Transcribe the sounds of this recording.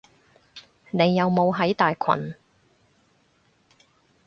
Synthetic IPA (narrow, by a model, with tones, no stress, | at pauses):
ne˨˧jːɐ˨˧wmo˨˧wɦɐ˨˥jt̪aː˨jkʰɐ̰˨˩n